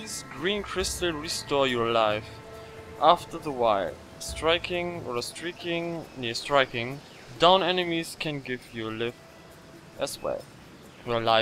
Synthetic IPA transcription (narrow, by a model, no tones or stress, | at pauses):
izɡɹĩnkʰɹ̥ɪstl̩ɹistɔɹjɔ˞laɪf | ʔaftə˞ðəwaɪl | stɹ̥aɪkʰɪ̃ŋɔstɹ̥ikɪ̃ŋnestɹ̥aɪkɪ̃ŋ | dãʊ̃nɛnɨmiz̥kʰɨ̃nɡɪvjɔ˞lɪf | ʔɨzwɛ̰ | jəlaɪ